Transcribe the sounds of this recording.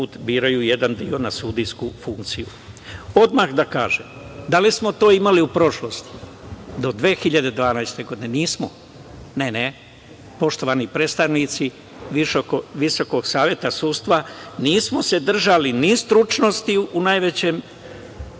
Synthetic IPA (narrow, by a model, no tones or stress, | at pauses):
uːt̪biːɾajujed̪and̪io̞nasuːd̪iskufuŋk̚t̪sijṵ | o̞d̪maxd̪aka̰ːʒemd̪alismo̞t̪o̞ːimaliupɾo̞ʃlo̞st̪i̥d̪o̞d̪ʋeːxiʎad̪e̞d̪ʋaːnajst̪e̞ɡo̞d̪ine̞niːsmo̞ | ne̞ne | po̞ʃt̪o̞ʋanipɾet̪st̪aʋnit̪si | ʋiʃokoʋiso̞ko̞ɡsaːʋje̞t̪asuːst̪ʋaniːsmose̞d̪r̩ʒalinist̪ɾut͡ʃno̞st̪iunajʋe̞t͡ɕe̞ːm